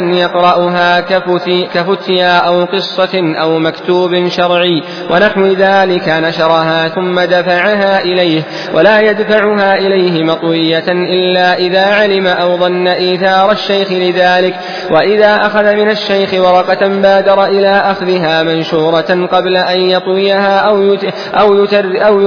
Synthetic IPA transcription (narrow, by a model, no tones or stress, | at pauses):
njɑqɾˤɑʔʊɦaː | kafʊt̪jaːʔawqɨsˤːɑʔawmakt̪uːbnʃɑɾˤʕɪj | wʔanaħwɪðaːlɪkanaʃɑɾˤɑɦaːθʊmːad̪afaʕaɦaːʔɪlajh | wʔalaːjad̪faʕʊɦaːʔɪlajhɪmɑt̪ˤwɪjːaʔɪlːaːʔɪðaːʕalɪmaʔawðˤɑnːaʔiːθɑːɾˤɑʃːajxɪlɪðaːlɪk | waʔɪðaːʔaxaðamɪnaʃːajxɪwɑɾˤɑqɑmbaːd̪ɑɾˤɑʔɪlaːʔaxðɪɦaːmanʃuːɾˤɑqɑblaʔanjɑt̪ˤwɪjaɦaːʔ | ʔawrʔaw